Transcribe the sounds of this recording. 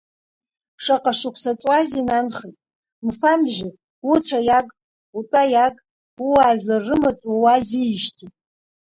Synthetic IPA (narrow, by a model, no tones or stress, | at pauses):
ʂaqʼaʂʊkʷʰsat͡sʼwazinanχetʼ | mfamʒʷᶣʊ | ut͡sʷʰajakʼ | utʼajakʼ | uwaːʒlarːɨmat͡sʷʼawaziʃtʰitʼ